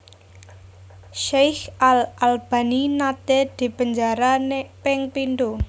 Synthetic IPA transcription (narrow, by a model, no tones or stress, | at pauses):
ʃejxalʔalb̥a̤ninat̪ed̪̥i̤pəɲd͡ʒaɾanepɪŋpind̪u